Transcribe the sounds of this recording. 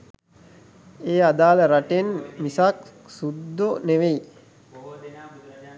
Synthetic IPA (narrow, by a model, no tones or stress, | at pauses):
eːad̪aːləɾaʈenmisak | sud̪ːoneʋei